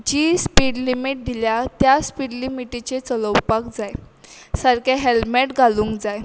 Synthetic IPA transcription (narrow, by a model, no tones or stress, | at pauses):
d͡ʑiːspiɽlimiʈ̚d̪ʱiljat̪jaspiɽlimiʈit͡ɕet͡sələwpakd͡zaj | səɾkaɦelmeʈɡʱalũːŋkd͡zaj